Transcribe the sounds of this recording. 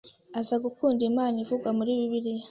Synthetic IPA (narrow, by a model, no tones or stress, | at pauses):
azaɡukuːndimaːnivuɡwamuɾiːβiβiɾi